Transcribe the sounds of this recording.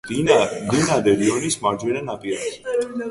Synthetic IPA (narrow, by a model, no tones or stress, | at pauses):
d̪inad̪ɛɾiɔnismaɾd͡ʒɛnanapʼias